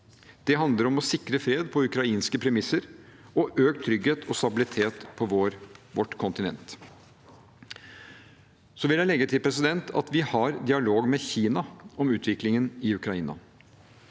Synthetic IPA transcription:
d̪̥ɛɦɑnd̪əɾɔmɔsɪkɾəfɾeːd̪pʰɔʉkɾɑiːnskəpʰɾɛmɪsːəɾɔʔøːk̚t̪ʰːɾʏɡheːt̪ʰɔst̪ɑbɪlɪt̪ʰeːt̪pʰɔʋoɾʋɔʈkʰɔnt̪ɪnɛ̰nt̪ | sɔʋɪljælɛɡət̪ʰɪlpʰɾɛs̬ɪd̪ɛnt̪ʰɑ̰t̪ʋɪhɑɾd̪ɪɑloːɡmɛçiːnɑɔmʉːt̪ʰʋɪklɪŋənɪʉkɾɑiːnɑ̰

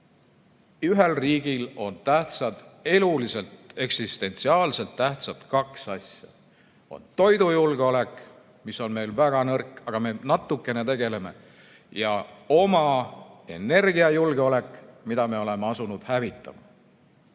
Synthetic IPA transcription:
yɦelriːɡilo̞nt̪æht̪sɑd̪̥e̞lulise̞lt̪e̞ksist̪e̞nt̪siɑːlse̞lt̪ːæht̪sɑt̪kɑksɑsʲjɑ̰ | o̞̰nt̪o̞jd̪ujulɡeo̞le̞k | misːo̞nme̞jlvæɡ̥ɑnɤrkːˑɑɡ̥ɑme̞nɑt̪ːˑukːˑe̞ne̞t̪e̞ɡe̞le̞me̞̰ | jɑo̞mɑe̞ne̞rɡiɑjulɡeo̞le̞kˑmid̪̥ɑme̞o̞le̞meɑsunud̪̥hævit̪ˑːɑ̰mɑ̰

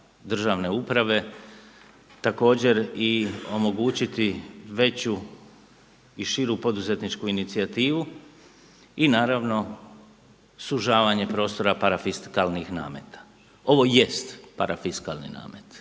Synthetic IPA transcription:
d̪r̩ʒaʋne̞upɾaʋe̞ | t̪ako̞ːd͡ʑe̞ɾio̞mo̞ɡuːt͡ɕit̪iʋe̞t͡ɕu | iʃiɾupo̞d̪uzet̪nit͡ʃkuinit̪siat̪iːʋu | inaːɾaʋno̞ | suʒaːʋaɲe̞pɾo̞ːst̪o̞ɾapaɾafiskalnixna̰ːmḛt̪ḁ | o̞ʋo̞je̞st̪paɾafiskalˠnḭna̰ːmet̪

